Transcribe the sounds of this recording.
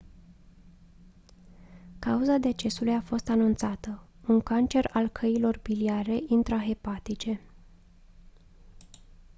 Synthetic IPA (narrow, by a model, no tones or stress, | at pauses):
kauzad̪e̞t͡ʃe̞sulujafo̞st̪anunt̪sat̪ə | uŋkant͡ʃe̞ralkʰəilo̞rbiliaɾe̞ʔint̪ɾaɦe̞pat̪it͡ʃe̞